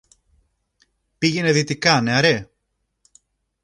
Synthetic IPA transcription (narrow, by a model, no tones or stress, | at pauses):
piʝene̞ðit̪ikɐneɐɾe̞